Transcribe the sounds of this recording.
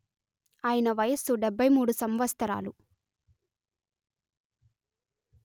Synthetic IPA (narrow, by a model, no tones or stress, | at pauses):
aːjinɐʋɐjɐsuɖɛbʱːɐjmuːɽusɐmʋɐst̪ʰɐɾa̰ːlu